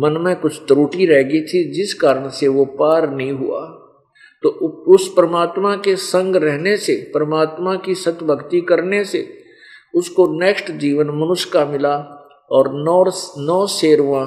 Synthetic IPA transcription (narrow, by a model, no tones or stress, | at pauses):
mɐnmẽkʊt͡ʃʰt̪ɾuːʈiɾɛɦɡit̪ʰid͡ʒɪskaːɾəɽ̃seʋopaːɾnɐɦĩɦṵa̰ː | t̪oːʊspɾɐmaːt̪makesɐ̃ŋɡɾɛɦnesepɾɐmaːt̪mãkisɐt̪bəɡt̪ikɐɾnesḛ | ʊskoneːksʈd͡ʒiːʋənmɐnʊʃkamɪla | ɔːɾnɔːnɔːseːɾuʋã